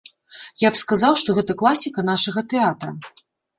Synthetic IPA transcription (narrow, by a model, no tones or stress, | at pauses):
japskazawʂt̪ɔɣɛt̪ɐklˠasʲikɐn̪aʂɐɣɐt̪ɛat̪ɾɐ